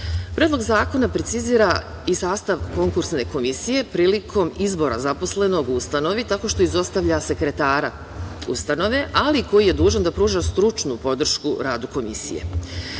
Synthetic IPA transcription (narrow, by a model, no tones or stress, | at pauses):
pɾʲed̪lˠo̞ɡzaːko̞napɾet̪siziːɾa | isaːst̪aʋko̞ŋkuɾsne̞ko̞misije̞pɾiːlikʰo̞mizbo̞ɾazapo̞sleno̞ɡuust̪ano̞ʋit̪ako̞ʃt̪o̞izo̞st̪aʋʎase̞kɾe̞t̪aːɾa̰ | ṵst̪ano̞ʋe̞ʔaliko̞jije̞d̪uːʒand̪apɾuːʒast̪ɾut͡ʃnupo̞d̪r̩ʃkuɾaːd̪uko̞mḭsḭjḛ